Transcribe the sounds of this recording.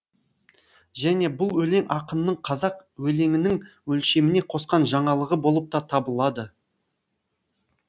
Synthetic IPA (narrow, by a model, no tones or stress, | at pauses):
ʒæne̞bʊlˠwɵle̞ŋʔɑqənənəɴqʰɑzɑqwɵle̞ŋɪnɪŋwɵlʃe̞mɪne̞qʰo̞sqɑnʒɑɴɑlˠəʁəbo̞lˠəp̚t̪ɑt̪ʰɑbəlˠɑd̪ə